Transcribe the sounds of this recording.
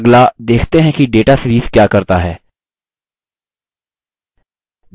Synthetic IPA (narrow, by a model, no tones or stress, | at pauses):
ɡlad̪eːkʰt̪eɦɛ̃kiɖeːʈasɾiːskjaːkɐɾt̪aɦɛː